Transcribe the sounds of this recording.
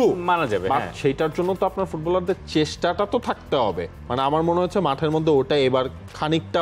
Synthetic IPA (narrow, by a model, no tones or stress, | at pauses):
umanad͡ʑabeaʃejʈaɾd͡ʑonːot̪oapnaɾfuʈbɔlaɾd̪eɾt͡ɕeʃʈaʈat̪ot̪ʰak̚t̪eɦɔbḛ | maneamaɾmoneɦot͡ɕʰemaʈʰeɾmod̪ʱːeoʈaebaɾ | kʰanik̚ʈa